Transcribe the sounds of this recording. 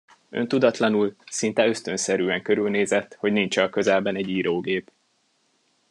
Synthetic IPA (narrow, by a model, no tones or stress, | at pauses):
ø̰nt̪ud̪ɒt̪lɒnulsint̪ɛø̞st̪ø̞nsɛɾyːɛŋkø̞ɾylneːzɛt̪ːho̞ɟniɲt͡ʃɒlkø̞zɛlbɛnɛɟiːɾoːɡeːp